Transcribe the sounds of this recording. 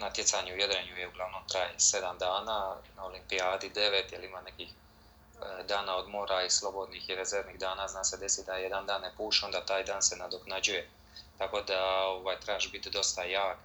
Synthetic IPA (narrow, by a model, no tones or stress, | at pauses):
nat̪jet̪saɲeujed̪ɾeɲujeuɡlˠaʋno̞mt̪ɾaːjese̞d̪amd̪aːnaːnao̞limpiaːd̪id̪e̞ʋet̪jelimane̞kix | d̪aːnaod̪mo̞ːɾaislˠo̞bo̞d̪nixiɾezeɾʋniːɣd̪aːnaːznaːse̞d̪e̞sid̪ajed̪and̪aːnːepuːʃeond̪at̪aːjd̪aːnse̞nad̪oknad͡ʑuje̞ | t̪ako̞d̪ao̞ʋajt̪ɾaːʃbit̪d̪o̞st̪ajaːk